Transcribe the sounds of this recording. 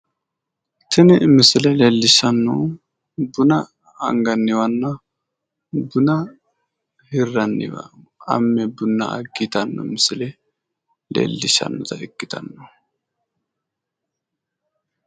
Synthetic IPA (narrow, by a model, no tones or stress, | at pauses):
t̪ɪnɛmɪsɪlɛlelːɪʃːɐnːɔ | bʊnɐ̰ː | ŋɡɐnːɪwɐnːɐ | bʊnɐ | hɪrːɐnːɪ̰wɐ̰ɐ̰mːɛbʊnːɐ̰ʔɐɡit̪ɐnːɔ̰mɪsɪlɛ | lḛːlːɪʃɐ̰nːɔt̪ɐɪkːɪt̪ɐnːɔ